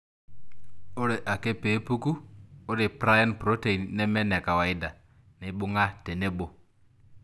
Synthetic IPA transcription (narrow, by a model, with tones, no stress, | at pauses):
o˦ɾe˨ʔa˨ke˦pe˨˦pu˦ku˦o˦ɾe˨pɾa˦jɔ˦npɾo˦te˨i˨nːɛ˦mɛ˦nɛ˨ka˨wa˨i˦da˨ | ni˨˦ɓʊ˦ŋa˦te˨ne˦bo˦